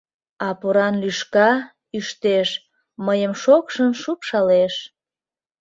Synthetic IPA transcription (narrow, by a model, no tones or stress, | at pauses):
ɑpoɾɑnlyʃkɑ | yʃt̪eʃ | məjəmʃokʃənʃupʃɑleʃ